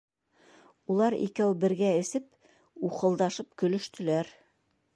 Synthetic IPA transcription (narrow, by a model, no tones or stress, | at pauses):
ulˠɑɾḭkæwbɘ̆ɾɡæɘ̆sɘp̚ | uqɤ̆lˠd̪ɑʃɤp̚kɵ̆lɵ̆ʃt̪ɵ̆læɾ